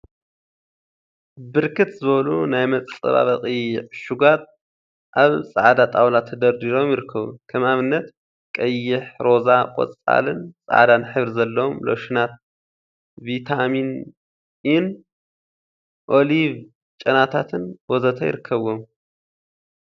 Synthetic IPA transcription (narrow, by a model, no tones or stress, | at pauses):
bɨɾkʰɨt̪zɨβɐlunajmɐt͡sʼɐ̰βa̰βɐχʼɨjɪʕʃuɡat̪̚ | ʔaβsʼa̰ʕd̪at̪ʼawlat̪ʰːɐd̪ɐɾd̪iɾo̞mjɪɾɨkʰːɐβṵkʰɐmaβɨnːɐt̪ | kʼɐjɪħɾo̞zakʼɔ̰t͡sʼa̰lɨnsʼa̰ʕd̪anɨħɨβɾzɐlːɐwomlo̰wʃɪnat̪̚ | vit̪ʰamin | ɪn | ʔo̞liv | t͡ʃʼɐnat̪ʰat̪ʰɨnwozɐt̪ʰɐjɪɾɨkʰːɐβom